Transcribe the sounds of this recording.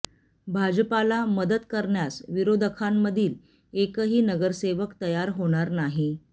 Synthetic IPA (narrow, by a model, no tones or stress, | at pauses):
bʱad͡ʑpalaməd̪ət̪kəɾɳjasʋiɾod̪ʱəkʰamːəd̪ʱiːl | ekəɦiːnəɡəɾseʋəkt̪əjaɾɦoɽ̃aɾnaɦi